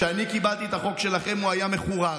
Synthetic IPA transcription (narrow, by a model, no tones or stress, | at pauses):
ʃeanikibalt̪iet̪aχo̞kʃe̞laχe̞muajame̞χuʁa